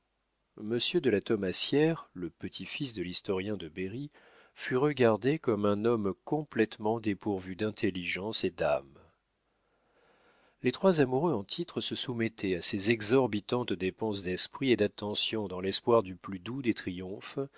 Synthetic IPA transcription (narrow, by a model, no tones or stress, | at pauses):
məsjød̪əlat̪ɔmasjɛʁləpət̪ʰifisd̪əlist̪ɔʁjɛ̃d̪əbeʁi | fyʁəɡaʁd̪ekɔmɛ̃nɔmkɔ̃plɛt̪mɑ̃d̪epuʁvyd̪ɛ̃t̪ʰeliʒɑ̃sed̪a̰m | let̪χwazamuʁøɑ̃t̪ʰit̪χəsəsumɛt̪ʰɛasezɛɡzɔʁbit̪ɑ̃t̪d̪epɑ̃sd̪ɛspχied̪at̪ːɑ̃sjɔ̃d̪ɑ̃lɛspwaʁd̪yplyd̪ud̪et̪χijɔ̃f